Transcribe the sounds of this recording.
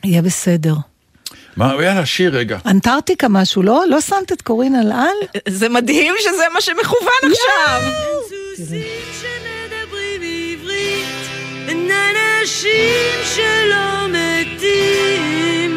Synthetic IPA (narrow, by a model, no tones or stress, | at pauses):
ajebesede̞ʁ | maujalaʃiʁːeɡa̰ʔantaʁt̪ikamaʃulo̞lo̞sant̪et̪koʁinalalzemadhimʃezemaʃemeχuvanaχʃavsu | ʃened̪ebʁimivʁit̪ | nanaʃimʃelɔmet̪i | m